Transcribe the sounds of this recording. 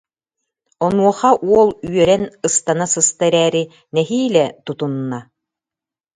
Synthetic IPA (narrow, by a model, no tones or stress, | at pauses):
ɔnuɔχaʔuɔlˠyœɾɛnɯst̪anasɯst̪ɛɾɛːɾi | nɛɦiːlɛt̪ut̪unːa